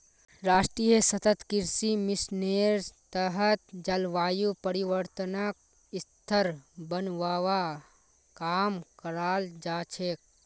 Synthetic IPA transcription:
ɾaːsʈɾijəsɐt̪ət̪kɪɾsimɪsneːɾt̪əɦət̪d͡ʒɐlʋaːjupəɾiʋəɾt̪ənək̚ | ɪst̪ʰəɾbənʋaːʋa | kaːmkəɾaːld͡ʒaːt͡ʃʰeːk̚

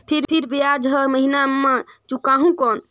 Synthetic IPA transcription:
pʰiɾpʰiɾbijad͡ʒɦəməɦinamːãt͡ʃukaɦũkɔn

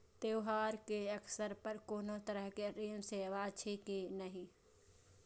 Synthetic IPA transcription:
t̪eʊɦaːɾkeəksəɾpəɾkoːnot̪əɾəɦkeɾeːmseʋat͡ʃʰekinəɦĩ

